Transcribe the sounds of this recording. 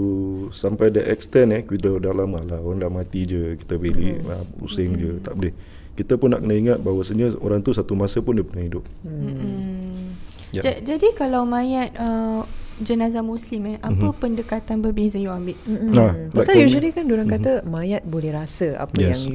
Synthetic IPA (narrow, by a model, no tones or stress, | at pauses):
usampajdəʔɛkst̪ɛnɛhkwidədalaməlaoɾaŋlamat̪id͡ʒəki̥t̪əbeliə̰mṵsɪŋd͡ʒət̪aʔbəlɛh | kit̪əpʊnːa̰ʔkənəiŋat̪̚baɦwəsəɲəo̰ɾaŋt̪usat̪umasəpʊndiəpənahidʊp̚ | jd͡ʒad͡ʒadikalawmãjat̪̚ə | d͡ʒənazamũslimɛhʔappəpəndəkat̪anbərbezəjuambɪʔm̩alasaud͡ʒudikandoɾankat̪əmajat̪̚bolɛhɾasəa̰pəjɛasŋ